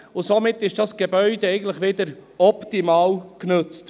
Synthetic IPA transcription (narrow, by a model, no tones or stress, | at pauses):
ʊsomɪtːɪʃd̥ɑsɡ̥ebœʏd̪ɛɛɪɡən̩tləχʋɪd̪əɾɔpt̪imɑːwknʉt͡st